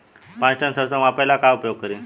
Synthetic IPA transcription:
pãt͡sʈənsəsamapəjlakaupjoɡ̚kəɾiːn

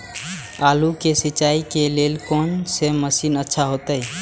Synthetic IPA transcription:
alukesit͡ʃaikelelkonseməsinətːʃʰaɦot̪əj

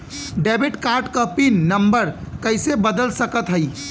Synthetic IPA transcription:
ɖɛbiʈkaɾʈkəpinːəmbəɾkəɪsebəd̪əlsəkət̪ɦəj

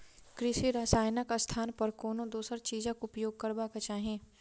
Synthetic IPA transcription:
kɾɪʃiɾaːsaːjnəkast̪ʰaːnpɐɾkoːnõd̪oːsəɾt͡ʃiːd͡ʒãkoʊpjoːɡ̚kəɾbaːkat͡ʃaːɦẽː

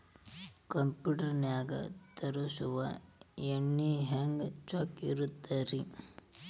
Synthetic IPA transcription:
kɐmpjuːʈɐɾnjaːɡɐ̰t̪ɐɾusuʋɐeɳːiɦaːŋɡt͡ʃaːkiɾut̪ːɐɾi

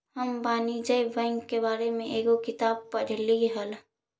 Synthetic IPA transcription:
ɦəmbaːnid͡ʒəibɛ̃ŋɡkebaːɾemẽʔeːɡokɪt̪aːb̚pəɽ̤liɦəl

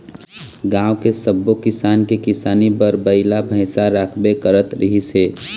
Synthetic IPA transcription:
ɡãːwkesəbːokɪsaːnkekɪsaːnibəɾbəɪlabʱəɪsaɾaːkʰbekəɾət̪ɾəɦise

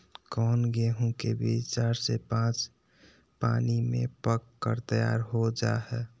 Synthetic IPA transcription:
kɔːnɡeɦũkebit͡ʃaːɾsepãːt͡ʃ | pa̰ːnimḛ̃pəkːəɾt̪əja̰ːɾɦod͡ʒa̰ɦɛː

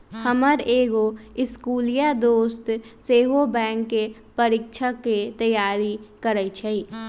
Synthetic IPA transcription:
həməɾeːɡoɪskuːlijad̪oːst̪seːɦobɛ̃ːŋkːe | pəɾɪk̚t͡ʃʰəkːet̪əjaːɾikəɾət͡ʃʰəi

